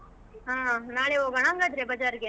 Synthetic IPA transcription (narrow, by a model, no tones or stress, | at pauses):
ɦãːnaːɭeoːɡɐɳaːŋɡad̪ɾebɐd͡ʒaːɾɡe